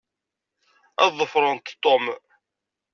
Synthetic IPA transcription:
ɑ̰ðˤːəfɾˤənt̪t̪ˤːom

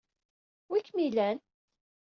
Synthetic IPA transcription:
wikːmilæn

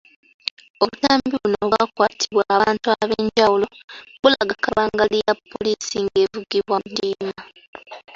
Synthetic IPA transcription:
o̞βutaːmbiβuno̞βakwaːtʰiβwaaːntuaβeːɲɟawulo̞βulaɡakaβaːŋɡalijapːo̞lisiŋɡe̞ːvuɡiβwadiːna

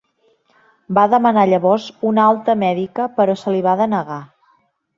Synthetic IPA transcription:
baðəmənaʎəβɔzunalˠt̪əmɛðikəpəɾɔsəliβaðənəɣa

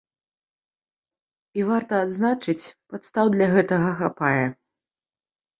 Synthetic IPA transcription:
ivart̪ɐːd̪znat͡ʂɨt͡sʲpat̪st̪awd̪lʲaɣɛt̪ɐɣɐxapajɛ

